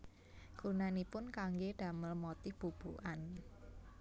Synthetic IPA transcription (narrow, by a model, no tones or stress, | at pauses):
ɡ̥unanipʊnkaŋɡeɖ̥a̤məlmɔt̪ɪhb̥ṳb̥uʔan